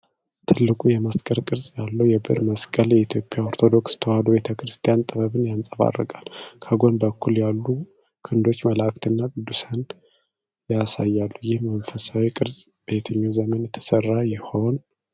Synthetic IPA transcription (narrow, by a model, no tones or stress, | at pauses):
t̪ʰɨlːɨkʼujɛməskʼəɾkʼɨɾzʼjalːəwjɛbɨ̰ɾməskʼəljɛit̪ʰjo̞pʼːjao̞ɾt̪ʰo̞d̪o̞kst̪ʰəwad̪ube̞t̪ʰəkɾɨst̪ʰijant̪ʼɨβəβɨnjansʼəβa̰rːə̰ɡʼalkʰəɡo̞nbəkʰːuljalːu | kʰɨnd̪o̞t͡ʃːməlakt̪ɨnːakɨd̪ːusən | jasajːalːujɪhmənfəsawikʼɨɾz | b̥əjt̪ʰəɲːazəmənjɛt̪ʰə̥sərːajɪho̞n